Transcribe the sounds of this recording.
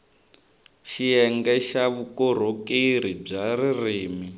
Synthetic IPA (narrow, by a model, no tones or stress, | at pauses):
ʃiɛŋɡɛʃaβukɔɾ̤okiɾib͡ʐaɾiriːmi